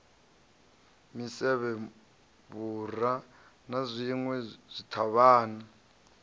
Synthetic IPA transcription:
misɛβɛ | βura | nazʷiŋwɛz̥ʷitʰaβaːna

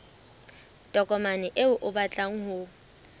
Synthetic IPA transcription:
tʼɔkʼɔmanɪʔɪʊʔʊbat͡ɬʼaŋ̩hʊ

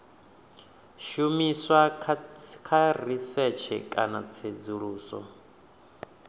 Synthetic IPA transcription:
ʃumiswa | kʰarisɛt͡ʃʰɛ̰kʼanat͡sʰed͡zuɺuːsɔ̰

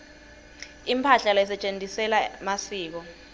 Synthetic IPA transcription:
impʰaɬalas̬ɛt͡ʃʼentʼisɛlamasiːk̬ɔ

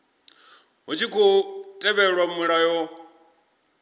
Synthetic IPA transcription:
ɦut͡ʃʰikʰɔtʼɛβɛɺwamuɺajɔ

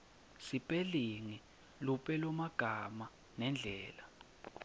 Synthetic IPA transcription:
sipʼeliŋi | lupʼɛlɔmaɡ̥ʱama | nɛnd͡ɮʱɛːla

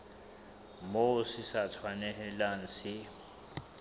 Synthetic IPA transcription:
mosisatʰwanɛhɛlan̩si

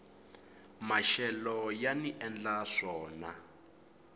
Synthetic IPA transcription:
maʃɛlɔjaniʔɛnd͡ɮaʂɔːna

